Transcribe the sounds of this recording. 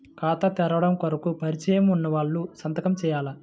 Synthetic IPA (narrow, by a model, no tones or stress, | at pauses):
kaːt̪ɐt̪ɛɾɐʋɐɽɐmkɐɾɐkupɐɾit͡ʃɐjɐmunːɐʋaːɭːusɐnt̪ɐkɐmt͡ʃɛːjaːlɐ